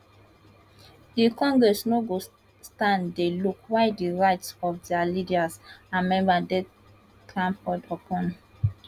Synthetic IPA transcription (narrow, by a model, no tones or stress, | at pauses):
d̥ikɔ̃ŋɡɹɛsnoɡo | stãndelukwaɪdiɹaɪtsɔfdɛalidiazamɛ̃mbadɛ | tʰɹãmpɔdɔpʰɔ̃n